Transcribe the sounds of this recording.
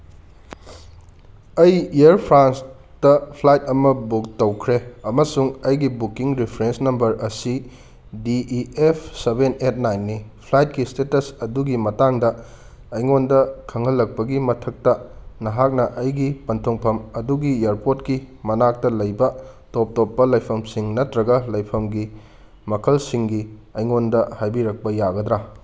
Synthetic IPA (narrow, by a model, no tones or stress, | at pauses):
ɐjiɐɾpʰɾans | dɐpʰlajt̚ɐmɐbuk̚tɐwkʰɾeɐmɐsuŋɐjɡibukiŋɾipʰɾensnɐmbɐɾɐsi | diʔiepʰsebenet̚ʰnajnːipʰlajt̚kistetɐsɐduɡimɐtaŋdɐ | ɐjŋondɐkʰɐŋɦɐlːɐk̚pɐɡimɐtʰɐk̚tɐnɐɦak̚nɐʔɐjɡipɐntʰoŋpʰɐmɐduɡieɾpotkimɐnak̚tɐlɐjbɐtop̚top̚ːɐlɐjpʰɐmsiŋnɐtɾɐɡɐlɐjpʰɐmɡi | mɐkʰɐlsiŋɡiɐjŋondɐhajbiɾɐk̚pɐjaɡɐd̪ɾa